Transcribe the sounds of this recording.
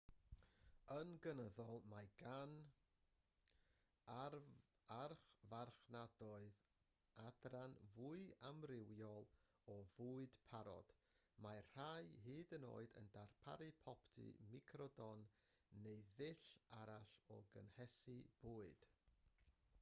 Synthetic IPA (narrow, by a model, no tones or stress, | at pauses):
ənɡənəðɔlˠmaɡ̥an | arχvarχnadɔɨð | adranvuːɨamrɪwjɔlˠ | ɔvuːɨd̥pʰaɾɔ̰d̥ | mar̥ajɦiːdəno̰ːɨdə̰ndarpʰa̰ɾɨpʰɔptʰɨ̰mikʰrɔdɔnː | ejðɪɬaɾaɬɔ̰ɡə̰nhɛsib̥uːɨd̥